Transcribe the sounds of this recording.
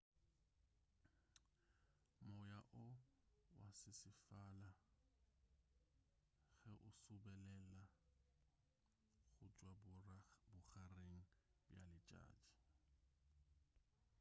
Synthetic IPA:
mɔjaʔʊwa̰sɪsɪfala | ɣɛʔʊsʊbɛlɛla | ɣʊt͡ʃʼwa | bʊɣareŋ̩bja̰lɪt͡ʃʼa̰ːt͡ʃʼi̥

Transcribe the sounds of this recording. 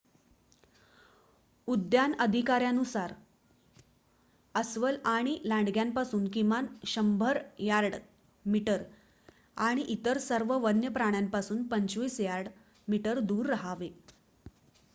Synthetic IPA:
ud̪janəd̪ʱikaɾjanusaɾ | əsʋəlaɽ̃ilãɳɖɡjampasuːnkimanɕəmbʱəɾjaɾɽ | miʈəɾ | aɽ̃iʔit̪əɾsəɾʋəʋənjəpɾaɽ̃jampasuːnpəɲt͡ɕʋiːsjaɾɽ | miʈəɾd̪uːɾːəɦaʋe

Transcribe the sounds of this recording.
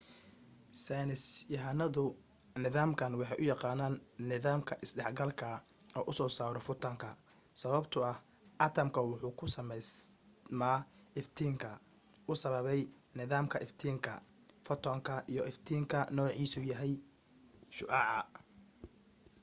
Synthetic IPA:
sɛnɪsjɐɦɐnɐðʊ | nɪðaːmkʰɐnwɑħɑjʔʊjɑqɑːnaːnːɪðaːmkʰɐʔɪsdɛħɡɐlkʰɐ | ɔːʔʊsɔːsaːɾɔfʊt̪ʰɐŋkʰɐ | sɐβɐbt̪ʰʊɐh | ʔɐt̪ʰɐmkʰɐwʊħuːkʰʊsɐmɛjs | maːɪft̪ʰiːŋkʰɐ | ʊsɐβɐβɛj | nɪðaːmkʰɐʔɪft̪ʰiːŋkʰɐ̰ | fɔt̪ʰɔːŋkʰɐʔijɔʔɪft̪ʰiːŋkʰɐnɔːʕiːsuːjɐɦɛj | ʃʊʔɑʕɑ

